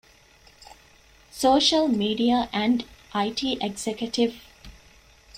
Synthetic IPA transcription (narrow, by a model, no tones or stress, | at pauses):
soːʃəlmiːɖiaʔæ̃ɳɖʔaɪʈʰiːʔeɡsekjəʈɪʋ